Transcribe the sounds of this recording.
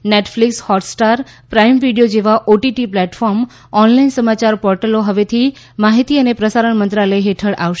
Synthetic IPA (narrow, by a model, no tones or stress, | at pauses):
neʈflikshɔʈsʈaɾpɾaimʋiɖijod͡ʒeʋaʔoʈiʈiplɛʈfɔɾm | ɔnlainsəmat͡ʃaɾpɔɾʈəloɦəʋet̪ʰi | maɦit̪iənepɾəsaɾəɳmənt̪ɾaləeɦeʈʰəɽʔa̰ʋʃe